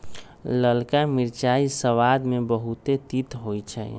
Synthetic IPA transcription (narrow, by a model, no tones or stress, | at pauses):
ləlkamiɾt͡ʃaisəʋad̪mebəɦut̪et̪it̪ɦojt͡ʃʰɛ̰j